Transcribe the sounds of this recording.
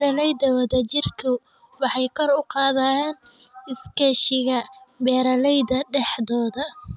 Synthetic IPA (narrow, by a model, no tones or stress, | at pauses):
ɾɐlɛjðɐwɐðɐt͡ʃɪrkʰʊ | wɑħɑjkʰɔrʊqɑːðan | ɪskʰɛʃɪɣɐbɛːɾɐlɛjðɐɖɛħðɔːðɐ